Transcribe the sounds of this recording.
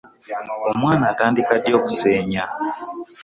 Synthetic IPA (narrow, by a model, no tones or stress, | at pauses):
o̞mwaːnaːtaːndikadjo̞ːku̥seːɲa